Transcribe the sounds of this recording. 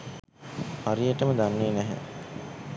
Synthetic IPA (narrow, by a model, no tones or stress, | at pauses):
haɾijəʈəməd̪anːeːnæɦæ̰